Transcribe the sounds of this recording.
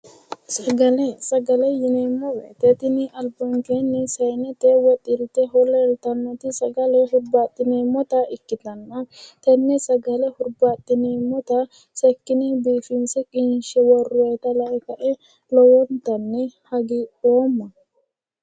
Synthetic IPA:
sɐɡɐlɛsɐɡɐlɛjɪnemːɔwɛ̰t̪ɛt̪ɪnɪɐlbɔŋkeːnːɪsɐjnɛt̪ewɔt̪ʼːɪɾt̪ɛɦɔlɐɛlt̪ɐnːɐt̪ɪsɐɡɐlɛɦʊɾbaːt̪ʼːɪneːmɔt̪ɐɪkːɪt̪ɐnːɐt̪ɛnːɛsɐɡɐlɛhʊɾbaːt̪ʼːɪnemɔt̪ɐ | sɛkːɪnɛbiːfɪnsɛkʼɪnʃɛwɔrʊwɐjt̪ɐlɐʔɛkɐʔɛ | lɔwɔnt̪ɐnːɛhɐɡioːmːɐ

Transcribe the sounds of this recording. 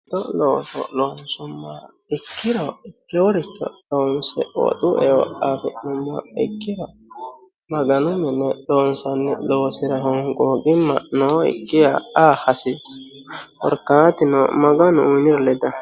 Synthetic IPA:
d̪ɔloːsɔ̰loːnsʊmːa | ɪkːɪɾɔɪkːɛwɔɾɪt͡ʃːɔ̰loːnsɛ̰ɔ̰ɗuʔɛwɔ̰ʔatɔʔnʊmːɐɪ̰kːɪɾɔ | mɐɡɐnʊmɛnːɛloːnsɐnːɛloːsɪɾɐhɔŋkʼoːkɪmːɐ̰noːɪ̰kːɪjaahɐsis | ɔ̰ɾkaːt̪ɪnɔmɐɡɐnʊunɪɾlɛd̪ɐ

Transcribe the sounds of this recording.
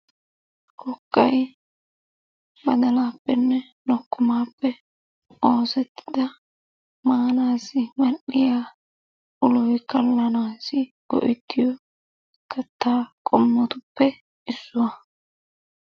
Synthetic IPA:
kʰɔkːɐj | bɐd̪ɐlaːpːɛnːɛ | nɔkːʊmaːpːɛ | oːsɛt̪ʰːɪ̥d̪ɐ | maːnaːsɪŋɐɗːɪjaː | ʔʊlɔjkɐlːɐnaːsɪ | ɡ̥ɔ̰ʔɪt̪ːɪjɔ | kʰɐt̪ːaːkʼɔmːɔt̪ʊpːɛ | ʔɪsːʊwɐ

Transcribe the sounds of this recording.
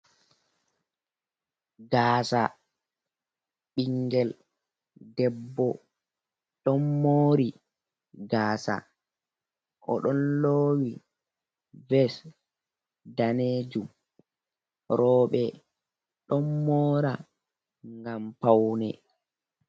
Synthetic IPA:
ɡaːsa | ɓiŋɡɛl | dɛbːɔ | ɗɔnːoːɾi | ɡaːsa̰ | ʔɔ̰ɗɔnloːwi | vɛs | daneːd͡ʒum | ɾɔːɓɛ | ɗɔmːɔːɾa | ŋɡampawnɛ̰

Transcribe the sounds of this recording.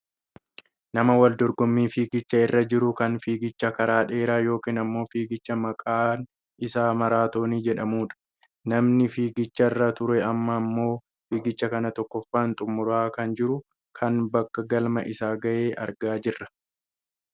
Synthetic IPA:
nɐmɐwɐld̪ɔɾɡɔmːiːfiːɡɪt͡ʃːɐɪrːɐd͡ʒɪɾʊkɐnfiːɡɪt͡ʃːɐkɐɾaːᶑe̞ːɾaːjo̞ːkiːnɐmːo̞ːfiːɡɪt͡ʃːɐmɐkʼaːn | ɪsaːmɐɾaːt̪o̞ːniːd͡ʒɛᶑɐmuːᶑɐ̥ | nɐmnɪfiːɡɪt͡ʃːɐɪrːat̪ʊɾɛɐmːɐːmːo̞ː | fiːɡɪt͡ʃːɐkɐnɐt̪ɔkːɔfːaːnt̪ʼʊmːʊɾaːkɐnd͡ʒɪɾʊ | kʰɐnbɐkːɐɡɐlmɐ̰ʔɪsaːɡɐʔeːʔɐ̰ɾɡaːd͡ʒɪrːɐ̥

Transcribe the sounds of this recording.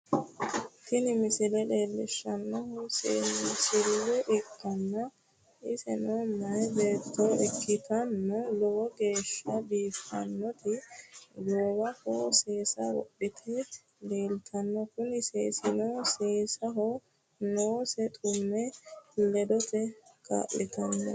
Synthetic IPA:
tɪnɪmɪsɪlɛleːlːɪʃːɐnːɔhssɪlːɛʔɪkːɐnːɐ | ʔɪsɛ̰noːnːɐjbeːt̪ːɔʔɛkːɪt̪ɐnːɔlɔwɔɡe̞ːʃːɐbiːfɐ̰nːɔt̪ɪloːwɐhɔse̞ːsɐ̰wɔ̰ʔɪt̪ʰɪ | le̞ːlt̪ʰɐnːɔkʊnɪsesɪnɔseːsɐɦɔ | noːsɛt̪ʼʊmːɛlɛd̪ɔt̪ɛkʰa̰ːʔːɪt̪ʰɐnːɔ̰

